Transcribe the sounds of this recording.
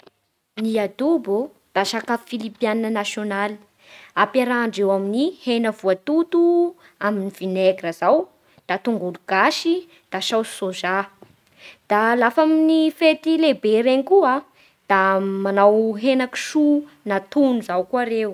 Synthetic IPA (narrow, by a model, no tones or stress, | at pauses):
niad̪ubu | d̪̥aʃakafilipjanənasjonali̥ | apaɾaɳɖ͡ʐewaminihenəvuat̪ut̪u | aminiv̥ineɡɾəzaw | d̪̥at̪uŋɡuluɡ̥aʃi | d̪̥aʃawsoza | d̪̥alafaminifet̪ilebeɾeɲikua | d̪̥amanawɦenaki̥ʃu | nat̪unuzawkuaɾew